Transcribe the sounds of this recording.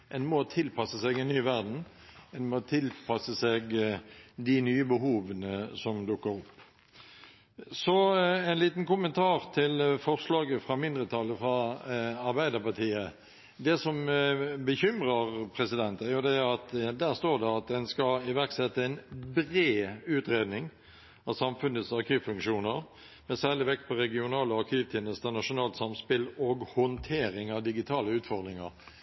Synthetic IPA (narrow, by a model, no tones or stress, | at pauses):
ʔɛnmɔt̪ʰɪlpʰɑsəsɛɡɛnnyːʋæʁd̪n̩ | ɛnmot̪ʰɪlpʰɑsəsɛɡ | d̪ɪnyːəbəɦuːʋənəsɔmd̪ʊkːəɾʊpː | sɔɛɪnliːt̪nkʊmənt̪ʰɑːʁt̪ʰɪlfɔʁslɑːɡəfʁɑmɪnd̪ɾət̪ʰɑlːəfʁɑɑɾbæɪd̪əʁpɑʁt̪ʰiːə | d̪ɛsɔmbəçʏmʁəʁpʰɾɛsɪd̪ɛnt̪əæɾjʊd̪ɛæɾɑt̪d̪æːʁst̪oːʁd̪ɛɑt̪̚d̪ɛnskɑɪʋæʁksɛt̪ːəɛɪnbɾeːʉːt̪ɾeːd̪nɪŋ | ɑʋsɑmfʉnət̪sɑɾkʰyːʋfʉŋkʂuːnəɾ | mɛsælɪʋɛk̚t̪̚pʰɔɾɛɡɪʊnɑːləɑɾʁkʰyːʋt̪ʰeːnəst̪ənɑʂʊnɑːlt̪sɑmspɪloːɡhɔnt̪ʰeːɾɪŋɑʋd̪ɪɡɪt̪ʰɑːləʉːt̪fɔʁd̪ʁɪŋə̰ɾ